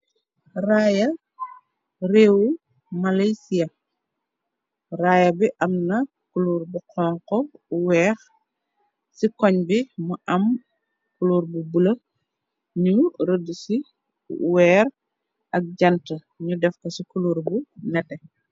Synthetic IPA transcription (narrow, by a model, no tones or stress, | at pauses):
raːjɐ | reːwu | malajsijɐ | raːjɐbiʔɐmnɐ | kuluːɾbuqʰɔːŋqɔwɛːx | sikɔɲbimuʔɐm | kuluːɾbubulɐ | ɲuɾədusi | wɛːɾ | ʔɐk̚ɟɐntə | ɲudɛfkɐsikuluːɾbunɛtɛ